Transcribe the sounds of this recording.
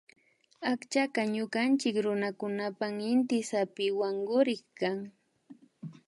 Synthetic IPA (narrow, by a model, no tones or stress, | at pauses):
akt͡ʃakaɲʊkant͡ʃɪkɾʊnakʊnapaŋɪnt̪ɪsapɪwaŋɡʊɾɪkkaŋ